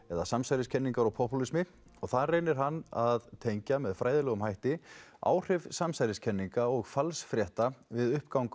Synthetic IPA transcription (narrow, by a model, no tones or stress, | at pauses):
ɛðasamsajɾɪscʰɛnːiŋkaɾɔɣpʰɔhpulismɪ | ɔɣθarejnɪɾ̥ɦanːaðt̪ʰejɲcamɛðfɾaːjðɪlɛɣʏmhajht̪ɪa̰ːwr̥ɪvsamsajɾɪscʰɛnːiŋkaɔɣfalsfɾjɛht̪avɪðʏhpkawŋk